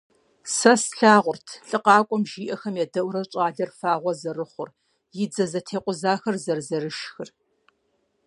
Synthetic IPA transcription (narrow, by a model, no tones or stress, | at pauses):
sɐsɬaːʁʷʊrtʰɬʼɨqɑːkʷʼɔmʒiːʔɐxɐmjɛdɐwʷɾɐt͡ʃʼaːɮɐrfaːʁʷɔzɐrɨχʷʊr | jɪd͡zɐzɐtʰeːqʷʼʊzaːxɐrzɐrzɐɾɨʃxɨr